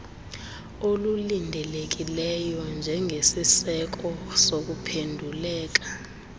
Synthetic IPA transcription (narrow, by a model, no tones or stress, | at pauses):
olulindʱɛlek̬ilɛjɔnd͡ʒʱɛŋʱesisɛk̬ɔsok̬upʰendʱulɛːk̬ḁ